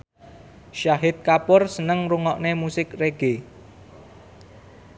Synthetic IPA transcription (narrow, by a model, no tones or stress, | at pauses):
ʃaɦɪt̪̚kapʊrsənəŋruŋɔʔnemusɪkreɡ̥e